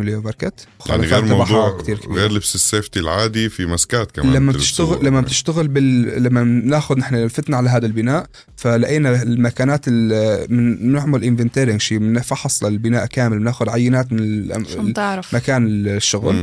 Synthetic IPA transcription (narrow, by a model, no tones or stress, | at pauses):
mɪlijobɑɾkat̪wxɑ̰l̰ːniɣːɾmabaħˤuːkt̪iːɾkaɣeːɾlɪbsɪseːft̪ilʕaːd̪ifimaskaːt̪̚kamllamːat̪ɪʃaɣlamːabt̪ɪʃt̪aɣɪlbɪllamːanaːxʊd̪nɪħnalfat̪naʕalaɦaːd̪albɪnaːʔ | falaʔaːnalmakaːnaːt̪ɪlmɪɪʕmalʔɪnvɪnt̪eːɾɪŋʃimnɪfɑħɑsˤlɪlbɪnaːʔkaːmɪlnaːxʊd̪ʕajːɪnaːt̪mɪnɪlː | ɾmakaːnɪlʃːʊɣl